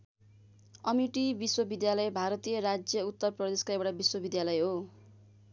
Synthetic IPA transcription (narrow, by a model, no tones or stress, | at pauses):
ʌmiʈibiswʌbid̪jalʌjbʱaɾʌt̪ijʌrad͡zjʌut̪ːʌrprʌd̪eskaebaʈabiswʌbid̪jalʌjɦo